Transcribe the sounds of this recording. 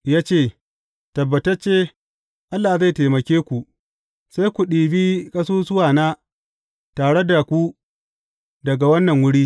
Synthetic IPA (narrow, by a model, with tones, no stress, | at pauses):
jaː˦t͡ʃeː˦˨ | tɐ˨bːɐ˨tɐ˦t͡ʃeː˦ | ʔa˦lːaː˨za˦˨teː˨mɐ˨kʲeː˦kʷu˨ | sa˦jkʷu˨ɗiː˨biː˦kʼɐ˦suː˦sʊ˦waː˨naː˦ | taː˨ɽe˦da˨kʷu˦ | dɐ˨ɡa˨wɐ˦nːɐ˨ŋwʊ˦ɽiː˦